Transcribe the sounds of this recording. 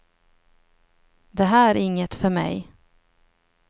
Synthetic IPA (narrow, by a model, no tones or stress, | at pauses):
d̪ɛɦæːæɾɪŋːət̪fœɾmɛ̰j